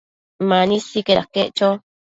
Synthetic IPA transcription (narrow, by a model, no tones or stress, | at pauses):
manisikeakːeʔt͡ʃo